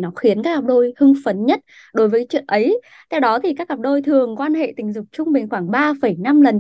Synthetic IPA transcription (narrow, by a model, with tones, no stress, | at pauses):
nɔ˨˦xi˨˦ənkaː˦˥k̚ːa˨˩p̚ɗo˧jhɨ˧ŋfə˨˦nɲə˦˥t̚ | ɗo˨˦jvəː˨˦jt͡ɕwḭ˧˨ənʔə˨˦j | t̪ʰɛ˧wɗɔ˨˦t̪ʰi˨˩kaː˦˥k̚ːaː˨˩p̚ɗo˧jt̪ʰɨ˨˩əŋkwaː˧nhḛ˧˨t̪ï˨˩ŋ̟zʊ˨˩k͡p̚t͡ɕʊ˧ŋ͡mɓe˨˩ŋ̟xwaː˧˩ŋɓaː˧fə˧˩jna˧mlə˨˩n